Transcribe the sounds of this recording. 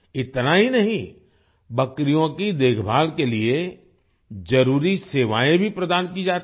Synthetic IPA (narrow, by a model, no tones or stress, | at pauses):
ɪt̪naɦinɐɦĩ | bɐkɾijõkid̪eːkʰbʱaːlkelie | d͡ʒɐɾuːɾiseːʋaːẽbʱipɾɐd̪aːnkid͡ʒaːt̪